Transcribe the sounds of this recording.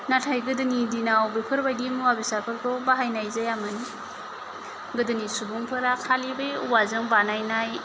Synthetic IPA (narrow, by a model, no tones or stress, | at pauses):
natʰajɡɯdɯnidinawbipʰɯɾbajdimuwabisakʰɯk̚tɔbaɦajnajzajamɯni | ɡɯdɯnisubuŋpʰɯɾakʰalibɯjuwazɯŋbanajnaj